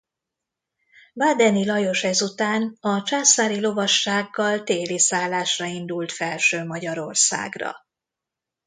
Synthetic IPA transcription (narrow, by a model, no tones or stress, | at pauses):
baːd̪ɛnilɒjo̞ʃɛzut̪aːnɒt͡ʃaːsaːɾilo̞vɒʃːaːɡːɒlt̪eːlisaːlːaːʃrɒind̪ult̪fɛlʃøːmɒɟɒɾo̞rsa̰ːɡrɒ̰